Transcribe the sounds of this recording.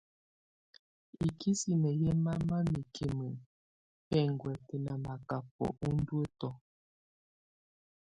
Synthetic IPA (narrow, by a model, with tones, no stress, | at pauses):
i˨kʰi˦si˨mə˨je˦ma˦ma˦mi˨kʰe˨mə˨ | pɛ˦˨ŋɡwɛ˨te˨na˨ma˨ka˨p̚ɔ̰˨ʔu˦n˦dwe˦tɔ˦